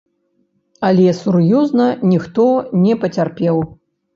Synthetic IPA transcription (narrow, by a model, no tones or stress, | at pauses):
ɐlʲɛsurjɔznɐnʲixt̪ɔnʲɛpɐt͡sʲarpʲɛw